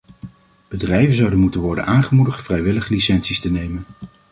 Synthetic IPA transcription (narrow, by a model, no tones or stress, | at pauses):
b̥ədrɛjvənzɑwdənmutənʋɔɹdə̰naːnχəmudəχtfrɛjʋɪləχlisɛnsistənejmən